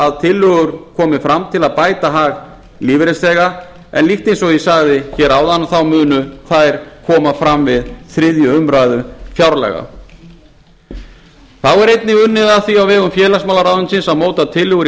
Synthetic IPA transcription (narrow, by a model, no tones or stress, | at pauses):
aðt̪ʰɪlːʏɣʏɾ̥kʰɔːmɪfɾamt̪ʰɪlaðpaːjt̪aɦaɣ | liːvɪɾɛst̪ɛːɣa | ɛ̰nlixt̪ejnsɔɣisaɣðɪçɛːɾaːwðanaθawmʏːnʏθajɾ̥kʰɔːmafɾamvɪðθɾɪðjʏʏmɾajðʏfjawɾlɛ̰ɣa̰ | θawɛɾejt̪nɪʏnːɪðaθiawvɛːɣʏmfjɛːlasmawlaɾaːwðʏnsɪnsaðmoːwt̪at̪ʰɪlːʏɣʏɾ